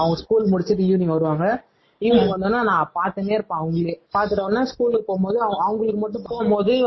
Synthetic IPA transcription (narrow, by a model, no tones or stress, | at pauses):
ɐʋɐŋɡɐskuːlmʊɽɪt͡ʃːɯʈːɯjuːnɪʋɐɾɯʋaːŋɡɐ | ɪʋɐʋɐnd̪ɯnːaːnãːpaːɾt̪ɐneːɪɾɯpãːɐʋɐŋɡɐɭeːpaːɾt̪ɯʈɐʋnːaːskuːlkɐpoːmpoːðɯɐɐʋɐŋɡɐɭɯkːɯmɐʈːʊ̃poːɐmboːðɐ